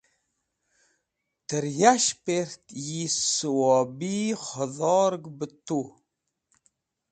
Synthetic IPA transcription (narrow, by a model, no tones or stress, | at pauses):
təɾjaʃpeɾtjisɨwɔbiχəðɔɾɡbətːu